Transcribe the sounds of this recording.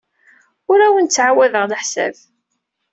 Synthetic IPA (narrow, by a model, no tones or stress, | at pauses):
ʊɾæwənt͡sːʕawæðəʁləħsæ̰ð